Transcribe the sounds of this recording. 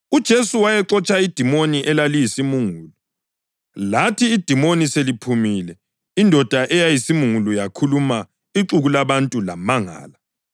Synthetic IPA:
ud̥ʒ̥ʱesuwajɛǁɔt͡ʃʰʼaid̥ʱimoniʔɛlalijisimuŋuːlu | latʰiːd̥ʱimoniselipʰumilɛ | indʱɔd̥ʱaʔɛjajisimuŋulujakʰuluma | iǁuɣulaβantʼula̰maŋa̰ːla

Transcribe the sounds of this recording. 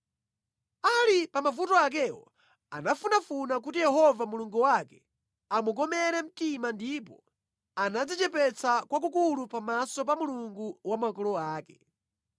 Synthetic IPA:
alipamavutɔak̬ɛwɔ̰ | a̰nafunafunak̬utijɛɦɔvamuluŋɡuwakɛ | amuɡ̬ɔmɛɾɛm̩timandip̬ɔ | anad͡zit͡ʃɛpɛt͡sʰakwak̬ukulupamasɔpamuluŋɡuwamakɔlɔaːkɛ

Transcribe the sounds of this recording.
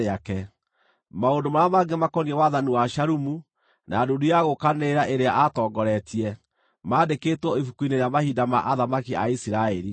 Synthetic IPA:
eakɛ | maondomaɾamaɡemakɔniɛwaðaniwaʃaɾumu | naːdodujaɣokaneɾaʔeɾeaʔatɔːɡɔɾɛtiɛ | maːdeketwɔifukuineɾeamahiːdama̰ʔaðamakiaisiɾaɛɾi

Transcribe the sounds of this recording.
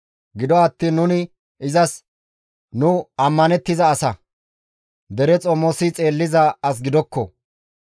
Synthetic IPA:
ɡɪd̪ɔɐt̪ːiːnːʊnɪ | ɪzɐs | nʊɐmːɐnɛt̪ːɪzɐːsɐ | d̪ɛɾɛt͡sʼɔmɔsɪt͡sʼe̞ːlːɪzɐɐs̬ɡɪd̪ɔkːɔ̰

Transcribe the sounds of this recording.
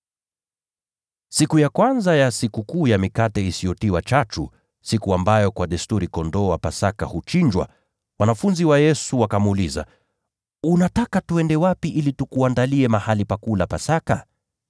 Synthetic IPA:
sikujakwanzajasikukuːjamikatɛisiɔtiwat͡ʃat͡ʃṵ | sikuambajɔkwaɗɛstuɾikɔndɔwapasakahut͡ʃiɲd͡ʒwa̰ | wanafunziwajɛsuwakamːliza̰ | unatakatuɛndɛwapiʔilitukuandaliɛmahalipakuːlapasaka

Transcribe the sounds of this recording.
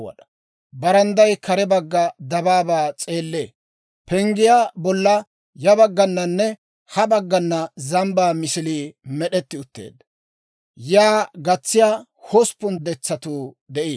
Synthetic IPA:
wɐ̰ɗɐ̥ | bɐɾɐnd̪ɐjkɐɾɛbɐɡːɐd̪ɐbaːbaːt͡sʼe̞ːlːeː | pɛŋɡɪjaːbɔlːɐ | jɐbɐɡːɐnːɐnːɛ | hɐbɐɡːɐnːɐzɐmbaːmɪsɪliːmɛɗɛt̪ːɪʊt̪ːḛːd̪ | jaːɡɐt͡sːɪjaː | hɔspːʊnd̪ɛt͡sːɐt̪uː | d̪ɛʔi

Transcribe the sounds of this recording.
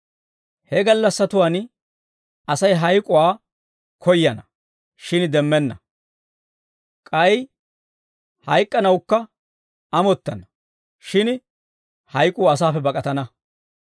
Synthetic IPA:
hɛɡɐlːɐsːɐt̪ʊwaːn | ɐsɐjɦɐjkʼʊwaː | kʰɔjːɐnɐ | ʃɪnd̪ɛmːɛnːɐ | kʼɐj | hɐjkʼːɐnɐwkːɐ | ɐmɔt̪ːɐnɐ | ʃɪn | hɐjkʼuːɐs̬aːfɛbɐkʼɐt̪ɐnɐ

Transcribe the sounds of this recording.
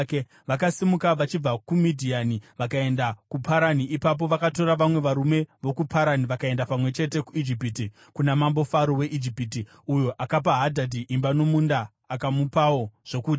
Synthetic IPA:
ke | ʋakasimukaʋat͡ʃib͡vakumidʱianiʋakae̞ndakupʰaɾaniʔipap̬o̞ʋakato̞ɾaʋamwe̞ʋaɾume̞ʋo̞kupʰaɾaniʋakae̞ndapamwe̞t͡ʃe̞te̞kuid͡ʒipiti | kunamambo̞faɾowe̞ʔid͡ʒipiti | ujo̞ʔakap̬aɦadʱadʱiʔimbano̞mundaː | kamupawo̞ʐ̥o̞kuːti

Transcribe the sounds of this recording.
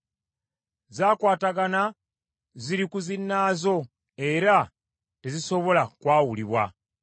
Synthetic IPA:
zaːkwaːtaɡana | ziɾikuzinːaːzo̞ | eɾa | teziso̞βo̞lakwaːwuliβwa̰

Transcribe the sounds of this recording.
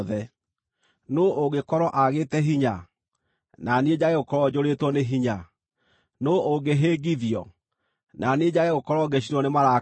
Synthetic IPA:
ðɛ | noʔoɣekɔɾɔʔaɣeːtɛɦiɲa | naned͡ʑaeɣokɔɾɔd͡ʑoɾetwɔneɦiɲa | nooɡeɦeːɡiðiɔ̰ | naned͡ʑaeɣokɔɾɔɡeɕ̬inwɔnemaɾa

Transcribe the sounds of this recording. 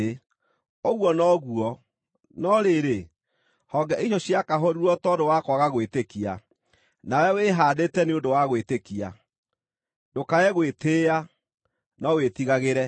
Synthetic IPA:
oɣwɔnɔɣuɔ | nɔɾeɾe | hɔɡɛʔiʃɔɕjakaɦɔɾiɾɔtɔdowakwɔɣaɣwetekia̰ | nawɛweɦaːdetɛneodowaɣwetekia̰ | dokaɛɣwetea | nɔwetiɣaɣeɾɛ

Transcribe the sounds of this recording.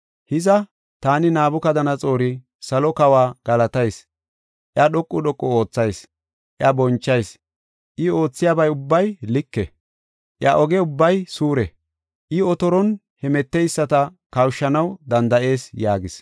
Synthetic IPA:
hɪzɐ | t̪aːnɪnaːbʊkɐd̪ɐnɐt͡sʼo̞ːɾɪ | sɐlɔkɐwaːɡ̥ɐlɐt̪ɐjs | ʔɪɐɗɔkʼːʊɗɔkʼːɔo̞ːt͡sːɐjs | ʔɪɐbɔnt͡ʃːɐjs | ʔɪo̞ːt͡sːɪjaːbɐjʊbːɐjlɪkːɛ | ʔɪ̰ɐʔɔɡɛʊbːɐjsuːɾɛ | ʔɪɔt̪ɔɾɔn | hɛmɛt̪ːɛjsːɐt̪ɐkɐwʃːɐnɐwd̪ɐnd̪ɐʔe̞ːsjaːɡɪs

